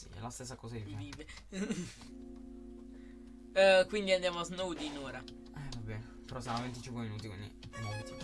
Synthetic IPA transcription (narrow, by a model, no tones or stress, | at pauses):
sḭlast̪es̬ːakɔːzaviːveviːve | kwind̪iand̪jaːmoaznowd̪iːnoːɾa | ɛvabɛn | peɾɔsamavent̪it͡ʃiŋkweminuːt̪ikwḭnd̪ḭmolt̪i